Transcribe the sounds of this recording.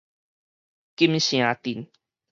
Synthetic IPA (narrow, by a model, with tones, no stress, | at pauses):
ki˦m˦ɕĩ˨ã˨˦t̪i˨n